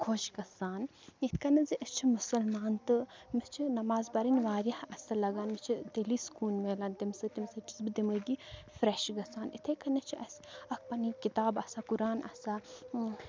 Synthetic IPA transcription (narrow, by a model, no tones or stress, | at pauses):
kʰoːʃɡɐsaːn | it̪ʰkɐnɐziʔɐt͡ʃʰimusɐlmaːnt̪ɨmist͡ʃʰinɐmaːzbɐɾinʋaːɾjɐhɐsɐlɐɡaːnmɐt͡ʃʰit̪eliːskuːnʋeːlɐnt̪imsɐt̪imsɐt͡ʃi̥sbɨd̪imɐɡifɾeʃɡɐsaːnḭt̪ʰeːkɐnɐt͡ʃʰiɐsɐk̚ʰpɐnikit̪aːbɐsakuɾaːnʔɐ̰sa